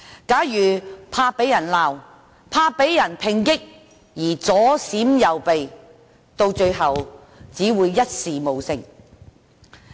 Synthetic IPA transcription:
kaː˨˥jjyː˨˩pʰaː˧pe˨˥jɐ˨˩nlaː˨w | pʰaː˧pe˨˥jjɐ˨˩npʰɪ˨˩ŋkɪ˥k̚ | jiː˨˩t͡sɔː˨˥siː˨˥mjɐ˨wpe˨j | t̪o˧wt͡ʃɵ˧ɥɦɐ˨w | t͡siː˨˥wuː˨˧jːɐ˥t̚siː˨mo˨wsɪ˧ŋ

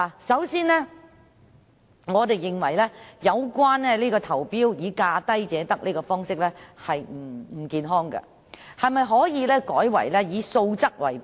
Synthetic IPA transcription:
sɐ˨˥wsiː˥nlɛː˥ | ŋɔː˨˧t̪e˨jːɪ˨ŋwɐ˨˩jlɛː˥jɐ˨˧wkʷaː˥nɛ˥liː˥kɔː˧t̪ʰɐ˨˩wpiː˥wjiː˨˧kaː˧t̪ɐ˥jt͡sɛː˨˦t̪ɐ˥k̚liː˥kɔː˧fɔː˥ŋsɪ˥k̚lɛː˥hɐ˨jm̩˨˩m̩˨˩kiː˨nɦɔː˥ŋɡɐ̰˧ | hɐ˨jmɐ˨jɦɔː˨˥jiː˨˧lɛː˥kɔː˨˥jwɐ̰˨˩jlɛː˥jiː˨˧so˧wt͡sɐ˥k̚wɐ̰˨˩j

